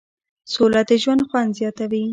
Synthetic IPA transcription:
solad̪əʒwand̪xwand̪zjɑt̪awi

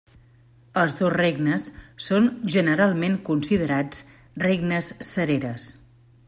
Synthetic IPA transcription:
əlˠzðozreɡnəsːonʒənəɾalˠmeŋkunsiðəɾat͡s | reɡnəsːəɾeɾəs

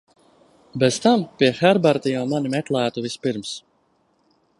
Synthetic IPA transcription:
bɛzt̪ampʲiɛxɛɾbaɾt̪ijamanimɛt̪lˠæːt̪uvispiɾms

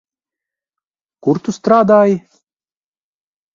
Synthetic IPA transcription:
kuɾt̪ust̪ɾaːd̪aːji

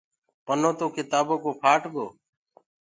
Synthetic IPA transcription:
pənõːt̪oːkɪt̪aːboːkoːpʰaːʈʰɡoː

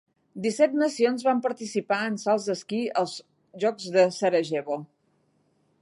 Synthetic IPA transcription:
d̪isɛt̪̚nəsionzβampəɾt̪isipaənsalˠzðəskiəlˠz | ʒɔkzðəsəɾəʒeβo

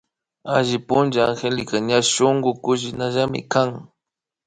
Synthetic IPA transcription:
aʒɪpʊnd͡ʒaːŋxelɪkaɲaʃʊŋɡʊkʊʃ̬ɪnaʒamɪ̰kaŋ

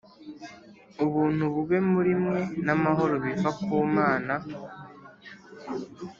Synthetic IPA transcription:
uβuːn̥huβuɡe̞muɾimŋe̞namaɦo̞ɾo̞βifakuːmaːna

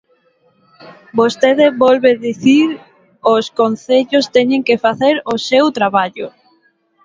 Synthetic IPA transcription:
bost̪eðɪβɔlβeðiθiɾ | oskonθeʎost̪ɛɲeŋkefaθeɾosewt̪ɾaβaʎo

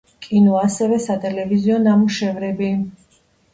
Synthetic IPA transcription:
kʼinɔasɛvɛsat̪ʼɛlɛviziɔnamuʃɛvɾɛbi

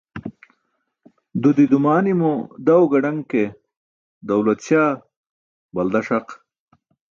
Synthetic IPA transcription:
d̪ud̪id̪umaːnimod̪ɐwɡɐɖɐŋke | d̪ɐwlɐt̪ɕjaː | bɐld̪ɐʂɐq

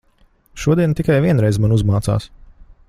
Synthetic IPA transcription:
ʃuɔd̪iɛnt̪ikajvʲiɛnɾɛjzmanuzmaːt̪sa̰ːs

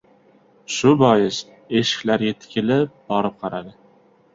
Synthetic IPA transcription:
ʃʊbɒjɪs | e̞ʃɪ̥kʲlaɾjet̪ʰkʲɪlɪp̚b̥ɒɾɪp̚qʰɑɾad̪ɪ

